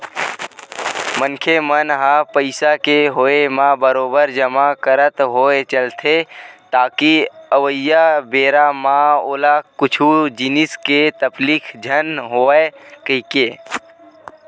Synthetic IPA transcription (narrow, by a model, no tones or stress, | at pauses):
mənkʰemənɦãpəɪsakeɦoemãbəɾoːbəɾd͡ʒəmakəɾət̪ɦoːet͡ʃəlt̪ʰet̪aːkiəʋəjabeːɾamãoːlakʊt͡ʃʰud͡ʒɪnɪsket̪əbliːkʰd͡ʒʱənɦoːekəikeː